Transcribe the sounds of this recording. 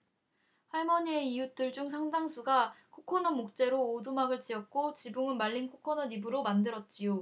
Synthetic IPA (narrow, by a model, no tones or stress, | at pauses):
haɭmʌɲie̞ijut͈ɯɭd͡ʑuŋs̬ʰaŋdaŋsʰuɡakʰokʰʌnʌmok̚t͡ɕ͈e̞ɾoːdumaɡɯɭt͡ɕiʌt̚k͈ot͡ɕibuŋɯnmaʎːinkʰokʰʌnʌnibɯɾomandɯɾʌt̚t͡ɕ͈ijo